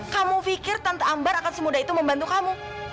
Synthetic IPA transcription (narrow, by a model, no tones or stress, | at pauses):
kamufikɪrt̪anp̪aːmbaɾakansəmudait̪uməmbant̪ukamu